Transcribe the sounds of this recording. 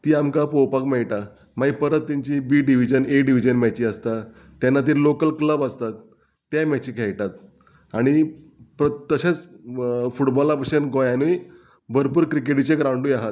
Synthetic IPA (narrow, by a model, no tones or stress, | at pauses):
t̪iːamkapowpakmɛɭʈa | maipəɾət̪ːiɲt͡ɕibiːɖiʋ̤id͡ʑəneɖiʋ̤id͡ʑənmɛt͡ɕiːəst̪a | t̪janːat̪̬iːɾlokəlkləbast̪at̪ː | jamɛt͡ɕiːkʰɛɭʈat̪ | aɽ̃i | pɾət̪ːəɕet͡s | fuʈbɔlapəɕənɡojanuj | bəɾpuːɾkɾikeʈit͡ɕeɡɾãwɳɖujaɦat̪